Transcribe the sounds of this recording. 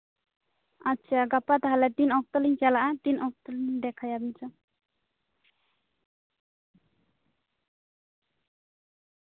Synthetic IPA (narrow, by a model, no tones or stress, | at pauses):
atːt͡ʃʰaɡapat̪aɦalɛd̪inɔk̚t̪ɔliɲt͡ʃalaʔad̪inɔk̚t̪ɔliɲɖ̪ɛkʰajabiɲt͡ʃa